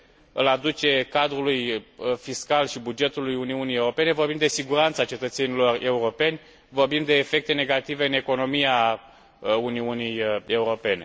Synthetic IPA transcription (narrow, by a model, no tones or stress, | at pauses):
ɨlad̪ut͡ʃe̞kad̪ɾulujfiskalʃibud͡ʒe̞t̪ulujuniunijeuɾope̞ne̞vo̞rbimd̪e̞siɡuɾant̪sat͡ʃe̞t̪ət̪se̞nilo̞re̞uɾo̞pe̞nʲ | vo̞rbimd̪e̞ːfe̞k̚t̪e̞ne̞ɡat̪ive̞ɨne̞ko̞no̞mia | uniunije̞uɾo̞pe̞ne̞